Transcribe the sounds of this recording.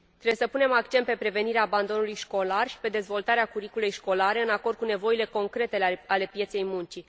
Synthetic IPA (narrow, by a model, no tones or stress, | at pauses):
t̪ɾebjesəpune̞mak̚t͡ʃe̞nt̪pe̞pɾe̞ve̞niɾeaːband̪o̞nulujʃko̞larʃi̥pe̞d̪e̞zvo̞lt̪aɾeakuɾikulejʃko̞laɾe̞ɨnakord̪̚kune̞vo̞ile̞ko̞ŋkɾe̞t̪eale̞pjet̪se̞jmunt͡ʃi